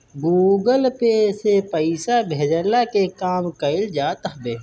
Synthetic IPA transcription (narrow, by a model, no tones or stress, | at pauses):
ɡuːɡəlpesepəɪsabʱeːd͡ʒəlakekaːmkəɪld͡ʒaːt̪ɦbeː